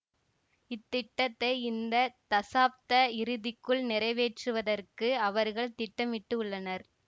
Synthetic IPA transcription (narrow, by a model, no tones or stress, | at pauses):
ɪt̪ːɪʈːɐt̪ːɐɪɪnd̪ɐt̪ɐsaːp̚t̪ɐɪɾɯðɪkːɯɭnɪɾɐɪʋeːʈrɯʋɐðɐrkɯɐʋɐɾɣɐɭt̪ɪʈːɐmʋɪʈːɯʊɭːɐnɐɾ